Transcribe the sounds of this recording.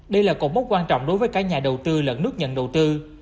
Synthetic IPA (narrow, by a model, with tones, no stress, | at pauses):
ɗə˧jlaː˨˩kɔ˨˧˩mo˦˥t̚kwaː˧nt͡ɕɔ̰˧˨wŋ͡mɗo˨˦jvəː˨˦jkaː˦˥k̚ɲaː˨˩ɗə˨˩wt̪ɨ˧lə̰˧˩nɨ˦˥ək̚ɲə̰˧˨nɗə˨˩wt̪ɨ˧